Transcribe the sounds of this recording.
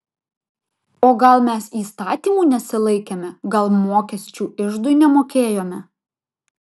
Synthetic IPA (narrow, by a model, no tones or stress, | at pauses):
oːɡɐlˠmʲɛsiːst̪ɑːt̪ʲiːmuːnʲɛsʲɪlˠɐɪkʲɛmʲɛɡɐlˠmoːkʲɛsʲt͡ʃʲuːɪʒd̪ʊɪnʲɛmoːkʲeːjoːmʲɛ